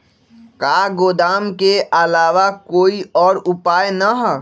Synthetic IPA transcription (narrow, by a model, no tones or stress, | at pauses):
kaːɡoːd̪aːmkeʔəlaːʋakoːiɔːɾʊpaːjnəɦ